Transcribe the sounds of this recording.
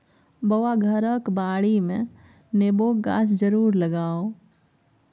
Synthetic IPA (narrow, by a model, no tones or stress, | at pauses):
bəwaɡʱəɾəkbaːɽimẽ | neːboːk̚ɡa̰ːsd͡ʒəɾuːɾləɡaːo